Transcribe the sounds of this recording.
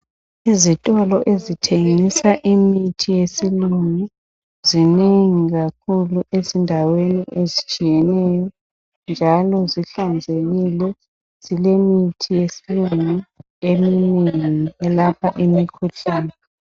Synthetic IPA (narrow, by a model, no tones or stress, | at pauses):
izitʼɔlɔʔezitʰeŋisaʔimitʰijesiluŋu | zineŋiɣakʰuluʔezindʱaweniʔezit͡ʃʼijɛnɛjɔ | nd͡ʒʱalɔziɬand͡zʱeɣilɛ | z̥ilemitʰijesiluŋu | emineŋiɛlapʰaʔimikʰuɬaːnɛ